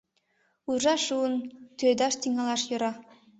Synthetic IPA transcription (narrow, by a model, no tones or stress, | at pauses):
uʒɑʃuənt̪ød̪ɑʃt̪iŋɑlˠɑʃjŏɾɑ